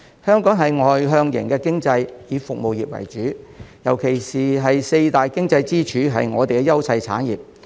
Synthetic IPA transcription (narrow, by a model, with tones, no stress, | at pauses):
hœː˥ŋkɔː˨˥ŋɦɐ˨jŋɔː˨˩jɦœː˧ŋjɪ̰˨˩ŋkɛː˧kɪ˥ŋt͡sɐ˧jjiː˨˧fʊ˨k̚mo˨wjiː˨p̚wɐ̰˨˩jt͡ʃyː˨˥jɐ˨˩wkʰe˨˩jsiː˨ɦɐ˨jse˧jt̪aː˨jkɪ˥ŋt͡sɐ˧jt͡siː˥t͡ʃʰyː˨˥ɦɐ̰˨jŋɔː˨˧t̪e˨jkɛː˧jɐ˥wsɐ˧jt͡sʰa̰ː˨˥njiː˨p̚